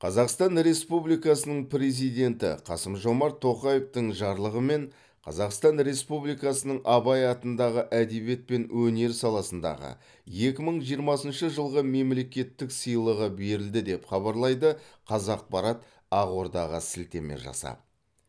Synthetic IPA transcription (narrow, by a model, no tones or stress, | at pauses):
qʰɑzɑqst̪ɑnɾe̞spublijkɑsənəɴpɾe̞zijd̪ʲe̞nt̪ɪ̰qʰɑsəmʒo̞mɑɾt̪ʰo̞qɑjeft̪əɴʒɑɾlˠəʁəme̞ɴ | qʰɑ̰zɑqst̪ɑnɾe̞spublijkɑsənəɴʔɑβɑjɑt̪ənd̪ɑʁəʔæd̪e̞be̞t̪̚pe̞nwʔɵne̞ɾsɑlˠɑsənd̪ɑ̰ʁə̰ | je̞kʲɪməɴʒijəɾmɑsənʃəʒəlˠʁəme̞mle̞kʲe̞t̪ːɪksəjlˠəʁəbe̞ɾɪld̪ɪd̪e̞pχɑβɑɾlˠɑjd̪əqʰɑzɑq̚pɑɾɑt̪ | ɑʁwo̞ɾd̪ɑʁə̰sɪlt̪e̞̰mḛʒɑ̰sɑ̰